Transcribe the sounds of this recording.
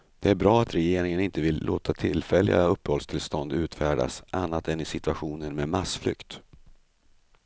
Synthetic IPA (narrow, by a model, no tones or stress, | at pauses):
d̪̥ɛæɾbɾɑːat̪ɾɛjeːɾɪŋənɪnt̪əvɪlːʔoːt̪ʰat̪ʰɪlfɛlːɪ̰ɡa̰ɵpːəhɔlst̪ʰɪlst̪ɔnd̪ʉ̟ːt̪fæːɖa̰sʔanːat̪ɛnɪsɪt̪ɵaɧuːnənmeːmasflʏ̰kt̪